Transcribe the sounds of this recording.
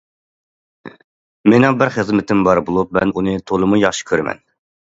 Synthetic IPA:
menɛŋbɪɾχəzmɪt̪ɪmbɑɾbolˠup̚mɛnunɨt̪ʰolˠɨmujɑχʃi̥kʲʰøɾɪmɛ̰n

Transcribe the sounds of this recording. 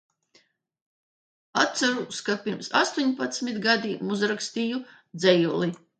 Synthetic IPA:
at̪saɾuːskapʲiɾmsa̰st̪uɲpat̪smit̪ɡad̪imuzɾakst̪ijud̪zɛjulˠi

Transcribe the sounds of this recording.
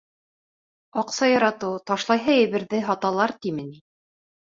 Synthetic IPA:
ɑqsɑjɑɾɑt̪ɤwt̪ɑʃlˠɑjɦɤjɘ̆βɘ̆ɾðɘɦɑt̪ɑlˠɑɾt̪imɘ̆ni

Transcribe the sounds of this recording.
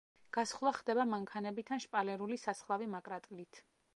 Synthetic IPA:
ɡ̥asχlˠaχd̪ɛbamaŋkʰanɛbit̪ʰanʃpʼalɛɾulisasχlˠavimakʼɾat̪ʼlit̪ʰ

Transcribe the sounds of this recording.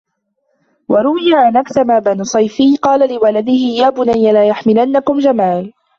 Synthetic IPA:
wɑɾˤʊwɪjaʕanʔaksamaːbanʊsˤɑjfɪqɑːlalɪwalad̪ɪhɪjaːbʊnajːalaːjaħmɪlanːakʊmd͡ʒamaːl

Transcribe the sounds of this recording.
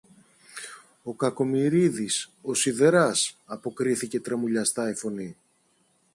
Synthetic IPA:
o̞kɐko̞miɾiðiso̞siðe̞ɾɐsɐpo̞kɾiθice̞t̪ɾemuʎɐst̪ɐifo̞ni

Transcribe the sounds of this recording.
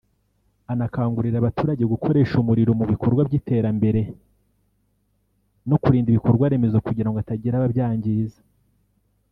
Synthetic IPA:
anakaːŋɡuɾiɾaβatuːɾaɟe̞ɡukʰo̞ɾe̞ːʃumuɾiɾo̞muβiko̞ɾɡwabɟiːte̞ɾambe̞ɾe̞ | no̞kuɾiːndiβiko̞ɾɡwaɾe̞me̞zo̞kuɟiɾaŋɡoataɟiɾaβabjaːɲɟiizḁ

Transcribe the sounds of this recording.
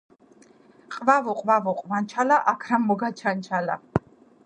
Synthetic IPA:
qʼvavɔqʼvavɔqʼvant͡ʃʰalaʔakʰɾamːɔɡat͡ʃʰant͡ʃʰala̰

